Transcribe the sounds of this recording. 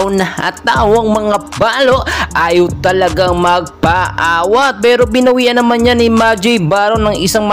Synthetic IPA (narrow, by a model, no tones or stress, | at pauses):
wnɐha̰t̪awɐŋmɐŋabaːlo̞ʔʔaːjowt̪ɐlɐɡaŋmɐɡ̚pɐʔaːwɐt̪̚pɛːɾo̞bɪnɐwiːʔɐnːɐmanɲanɪmad͡ʒɪjbaːɾownɐŋɪsaŋmɐ